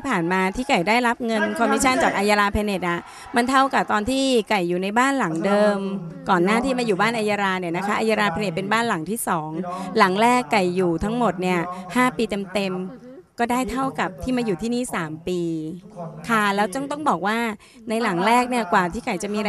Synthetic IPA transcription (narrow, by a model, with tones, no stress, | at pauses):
pʰaː˨˩nmaː˧t̪ʰiː˥˩ka˨˩jdaː˥˩jɾa˦˥p̚ŋɤ˧nkʰɔ˧m̚ː˦˥t͡ɕʰa˥˩nt͡ɕaː˨˩k̚ʔaː˧jaː˧ɾaː˧pʰɛː˧ne˨˩t̪̚ʔa˨˩ | ma˧nt̪ʰa˥˩wka˨˩p̚t̪ɔː˧nt̪ʰiː˥˩ka˨˩jːuː˨˩na˧jbaː˥˩nla˩˦ŋdɤː˧mkɔː˨˩nːaː˥˩t̪ʰiː˥˩maː˧juː˨˩baː˥˩nʔaː˧jaː˧ɾaː˧ni˥˩ɐna˦˥kʰa˦˥ʔa˧jaː˧ɾaː˧pʰɛː˧ne˨˩t̪̚pe˧nbaː˥˩nla˨˩˦ŋt̪ʰiː˥˩sɔː˩˦ŋla˨˩˦ŋɾɛː˥˩kːa˨˩jːuː˨˩t̪ʰa˦˥ŋmo˨˩t̪̚ni˥˩ɐhaː˥˩piː˧t̪e˧mt̪e˧m | kɔː˥˩daː˥˩jt̪ʰa˥˩wka˨˩p̚t̪ʰiː˥˩maː˧juː˨˩t̪ʰiː˥˩niː˥˩saː˩˦mpiː˧ | kʰa˥˩lɛː˦˥wt̪ɔ˥˩ŋt̪ɔ˥˩ŋbɔː˨˩k̚waː˥˩ | na˧jla˩˦ŋɾɛː˥˩k̚ni˥˩ɐkwaː˨˩t̪ʰiː˥˩ka˨˩jt͡ɕa˨˩miː˧ɾa˧